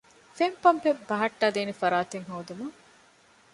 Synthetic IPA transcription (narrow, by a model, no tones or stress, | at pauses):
fempɐmpebɐɦɐʈːaːd̪eːnifɐɾaːt̪eŋɦoːd̪umɐŋ